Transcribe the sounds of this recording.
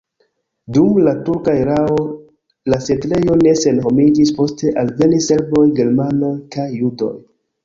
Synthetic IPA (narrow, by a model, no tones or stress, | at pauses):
dumlatuɾkaeɾao̞ | lasetle̞jo̞ne̞se̞nho̞mid͡ʒispo̞ste̞ʔalve̞nise̞lbo̞jɡe̞ɾmanojkajːudo̞̰j